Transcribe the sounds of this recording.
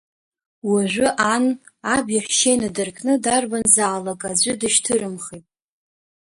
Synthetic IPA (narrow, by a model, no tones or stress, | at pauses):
waʒᶣʷʊʔanabjaħʷᶣʃejnadɨrkʰʼnɨdarbanzaːlakʼad͡ʑʷʊdɨʃtʰɨrɨmχitʼ